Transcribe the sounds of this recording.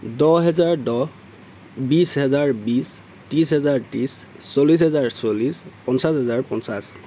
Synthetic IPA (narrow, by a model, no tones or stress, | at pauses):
dɔɦɛzaɹdɔ | bisɦɛzaɹbis | tis̬ɦɛzaɹtis | solis̬ɦɛzaɹsolispɔnsasɦɛzaɹpɔnsas